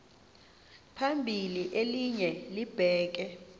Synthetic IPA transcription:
pʰambʱiliʔeliɲɛlib̥ʱɛːk̬ɛ

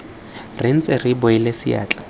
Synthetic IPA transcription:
rɪn̩t͡sʼeribʊɪlesɪa̰ːt͡ɬʼḁ

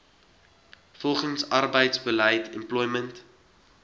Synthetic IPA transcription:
fɔlˠχənsɐrbəjtsbələjtʰɛ̰mplɔjmənt

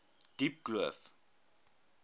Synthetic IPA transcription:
d̥ip̚ɡ̥ləf

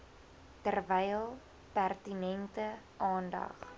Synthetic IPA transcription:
tərvɛjlˠ | pærtinɛntə | ʔɑːndɐ̰χ

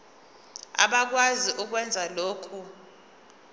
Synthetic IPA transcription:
a̰ɓak̬waziʔuk̬wɛnd͡zʱaloːkʰu

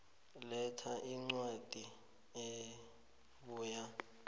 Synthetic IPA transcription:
lɛtʰaʔiŋ͡ǀwad̥ʱi | e | ɓuːja

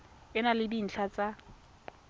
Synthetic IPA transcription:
ɪnalɪbin̩ɬʰat͡sʼa

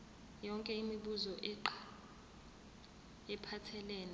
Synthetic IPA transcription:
jɔŋkʼɛimiɓuzɔʔǃ | ɛpʰatʰɛlɛːna

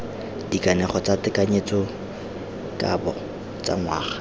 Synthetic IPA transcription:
d̥ikʼanɛχɔt͡sʼatɪkʼaɲet͡sɔ | kʼabɔ | t͡sʼa̰ŋwaːχḁ

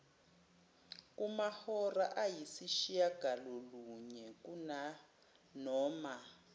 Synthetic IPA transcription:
kumahɔraʔajisiʃijaɡ̥ʱalɔluɲɛkuna | nɔːma

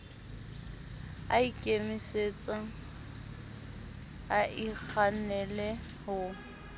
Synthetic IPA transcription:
aikʼemiset͡sʼa | aʔik͡xʰanɛlɛ | hʊ

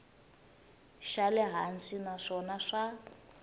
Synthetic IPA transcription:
ʃalɛɦansinaʂɔnaʂa

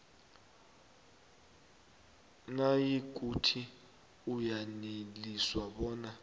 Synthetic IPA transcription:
najik̬ʼutʰi | ujaneliswaɓɔːna

